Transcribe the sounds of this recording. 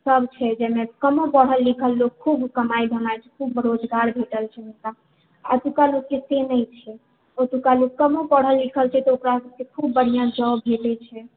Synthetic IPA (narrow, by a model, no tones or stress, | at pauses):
səbt͡ʃʰɛd͡ʒɛmekəmõpəɽ̤ɦəlːikʰəlːok̚kʰubkəmajd̪ʱəmajt͡ʃʰɛ̥kʰubɾod͡ʒɡaɾbʱeʈəlt͡ʃʰɛmuka | a̰t̪ukaloɡ̚kesenəjt͡ʃʰɛ | ot̪ukaloɡkːəmõpəɽ̤əlːikʰəlt͡ʃʰɛt̪ɔokɾasəb̚kekʰubːəɽ̤ijãd͡ʒə̃wbʱelɛt͡ʃʰɛ